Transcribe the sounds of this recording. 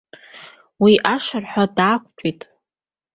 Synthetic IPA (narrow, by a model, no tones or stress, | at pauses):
wiʔaʂarħʷᶣadaːkʷʰʼt͡ʃʷʼitʼ